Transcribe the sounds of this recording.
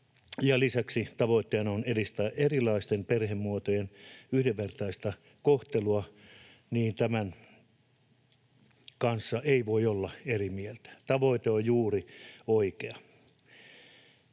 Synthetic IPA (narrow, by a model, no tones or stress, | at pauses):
jɑlisæksit̪ɑʋoit̪ːeɑnonerist̪æːʔerilˑɑist̪emperhemmuot̪ojenyhdeʋʋert̪ɑist̪ɑ | koht̪eluɑ | niːnt̪æmæn | kɑnsːɑʔeiʋoiolːɑerimielt̪æ̥t̪ɑʋoit̪eojjuːrioikeɑ